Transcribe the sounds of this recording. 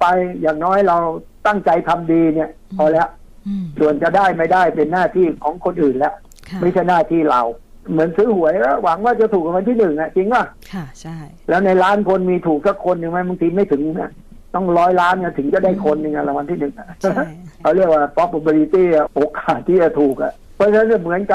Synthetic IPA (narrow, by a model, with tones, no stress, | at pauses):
pa˧jjaː˨˩ŋnɔː˦˥jɾa˧wt̪a˥˩ŋt͡ɕa˧jt̪ʰa˧mdiː˧ni˥˩ə | ʔɔː˧˩lɛː˦˥ | su˨˩ənt͡ɕa˨˩daː˥˩jma˥˩jdaː˥˩jpe˧nːaː˥˩t̪ʰiː˥˩kʰɔː˩˦ŋkʰo˧nʔɯː˨˩nlɛ˦˥ʔ | ma˥˩jt͡ɕʰa˥˩jnaː˥˩t̪ʰiː˥˩ɾa̰˧w | mɯ˩˦ənsɯː˦˥hu˩˦əjkɔ˦˥˩wa˩˦ŋwaː˥˩t͡ɕa˨˩t̪ʰuː˨˩k̚a˧wa˧nt̪ʰiː˥˩nɯ˨˩ŋʔa˨˩t͡ɕi˧ŋla˥˩ | lɛː˦˥wna˧jlaː˦˥nkʰo˧nmiː˧t̪ʰuː˨˩k̚sa˦˥kʰːo˧nːɯ˧ŋma˦˥jba˧ŋt̪ʰiː˧ma˥˩jt̪ʰɯ˨˩˦ŋni˦˥˩ | t̪ɔ˥˩ŋɾɔː˦˥jlaː˦˥nka˧˩t̪ʰɯ˩˦ŋt͡ɕa˨˩daː˥˩jkʰo˧nː˧ŋa˧la˧˩wa˧nt̪ʰiː˥˩nɯ˨˩ŋʔa̰˨˩kʰa˧wɾi˥˩ək̚waː˥˩pʰɔ˦˥p̚ʔo˧bɔ˧li˧˥t̪iː˥˩˧ʔoː˨˩kaː˨˩t̪ʰːiː˥˩t͡ɕa˨˩t̪ʰuː˨˩k̚ʔa̰˨˩ʔ | pʰɔ˦˥t͡ɕʰa˧na˥na˧˩mɯ˩˦ənka˧˩